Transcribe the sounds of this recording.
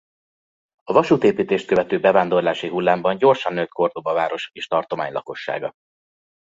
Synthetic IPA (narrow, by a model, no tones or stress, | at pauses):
ɒvɒʃuːt̪eːpiːt̪eːʃt̪̚køvɛt̪øːbɛvaːnd̪o̞rlaːʃiɦulːaːmbɒɲɟo̞rʃɒnːøt̪ko̞rd̪obɒvaːɾo̞ʃeːʃt̪ɒrt̪o̞maːɲlɒ̰ko̞ʃːa̰ːɡɒ